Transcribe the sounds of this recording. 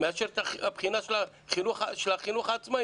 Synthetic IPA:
maʃɛrt̪ʰaapχinaʃla | χinuχaʃlaχinuχat͡sʰʼma

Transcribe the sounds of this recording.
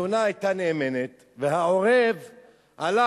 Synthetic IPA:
unaːjt̪aneːmenet̪ | veɦaoʁev | ʔala

